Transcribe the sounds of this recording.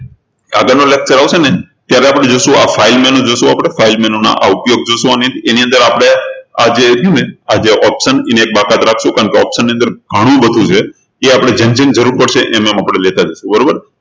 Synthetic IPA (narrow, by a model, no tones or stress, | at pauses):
a̰ɡənolek̚t͡ʃəɾaʋʃene | t̪jaɾɛapəɽ̃ed͡ʒoʃũafailmɛnõd͡ʒoʃũapɽ̃efailmɛnona̰ʔaupjoɡ̚d͡ʒoʃũaniət̪eniə̃nd̪əɾapɽ̃ead͡ʒeimead͡ʒeʔɔpʃənineek̚bakat̪ɾakʰʃũkaəɳkeɔpʃənːiə̃nd̪əɾɡʱəɽ̃õbəd̪ʱũt͡ʃʰe | eapɽ̃ed͡ʒənt͡ʃənd͡ʒəɾuɾpəɽʃeʔɛmemapɽ̃elet̪ad͡ʒəʃũbəɾobəɾ